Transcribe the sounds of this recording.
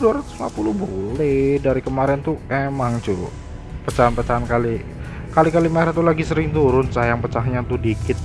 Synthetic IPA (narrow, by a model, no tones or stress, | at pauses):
duaɾat̪ʊsma̰pulʊhbolɛdaɾikəmaɾɛnt̪uemaŋd͡ʒu | pət͡ʃaɦanpət͡ʃaɦankali | kalikalimɛɾat̪ulaɡisəɾɪŋt̪uɾʊnsajaŋpət͡ʃaɦɲat̪udikɪt̪̚